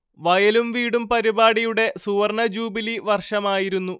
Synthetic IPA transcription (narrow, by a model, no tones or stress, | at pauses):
ʋɐjɐlumʋiːɽumpɐɾibaːɽijuɽe̞suːɐrɳɐd͡ʑuːbiliʋɐrʂɐmaːjiɾunːu